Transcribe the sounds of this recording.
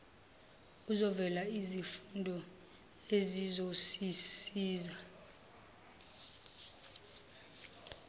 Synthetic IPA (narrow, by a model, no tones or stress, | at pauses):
uzɔvɛlaizifundʱɔ | ezizosisiːza